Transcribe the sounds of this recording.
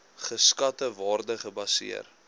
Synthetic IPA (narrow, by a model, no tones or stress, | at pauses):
χəskɐtəvɑːrdəχəbɐsḭə̰r